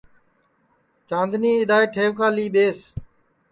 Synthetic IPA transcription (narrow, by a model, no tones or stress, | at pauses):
t͡ʃãːnd̪ʱniːɪd̪aːeːʈʰeːʋkaːliːɓeːs